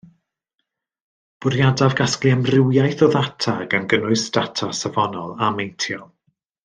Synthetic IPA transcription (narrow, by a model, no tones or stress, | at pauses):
b̥ʊɾjadavɡasklˠiamrɪwjajθɔðatʰaɡanɡənʊɨsd̥atʰasavɔnɔlˠamejntʰjɔlˠ